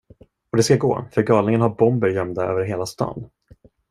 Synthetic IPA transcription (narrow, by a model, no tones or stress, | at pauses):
ɔd̪ɛskaɡo̰ːfœɾɡɑːlnɪŋənhaɾbɔmbəɾjœmd̪aøːvəɾɦeːlast̪ɑ̰ːnː